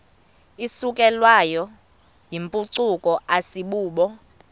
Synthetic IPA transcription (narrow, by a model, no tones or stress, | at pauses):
isukʼɛlwajɔ | jimpʼuǀukʼɔʔasiɓuːɓɔ